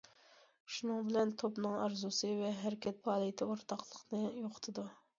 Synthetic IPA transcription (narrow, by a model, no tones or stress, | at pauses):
ʃunɨŋbɪlɛnt̪ʰopnɨŋɑ̰ɾzusɨvɛɦæɾɪkʲɛt̪̚pɑːlˠijt̪ʰɪoɾt̪ʰɑqlˠəqnɨjoqʰʊ̥t̪ʰɨd̪u